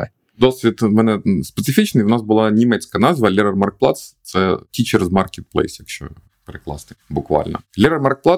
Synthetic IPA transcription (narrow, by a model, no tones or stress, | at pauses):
d̪ɔsʲʋʲit̪mɛnɛspet̪sɪfʲit͡ʃnɪjwʊnɑsbʊlˠɑnʲimɛt͡sʲkɐnɑzʋɐlʲɛɾɐrmɐrk̚plˠɑt̪st̪sɛtʲit͡ʃɛɾezmɑrkʲet̪̚plˠɛ̰jsjɐkʃt͡ʃɔ̰ | peɾeklˠɑ̰snɨbʊkʋɑ̰lʲnɔ̰lʲiɾɐrmɑrk̚plˠɑ